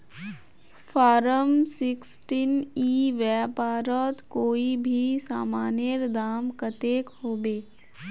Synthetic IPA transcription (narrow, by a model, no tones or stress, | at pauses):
fʰaːɾəmsɪksʈiniːʋɛpaːɾət̪koːibʱisaːmaːnjəɾd̪aːmkət̪eːkɦoːbeː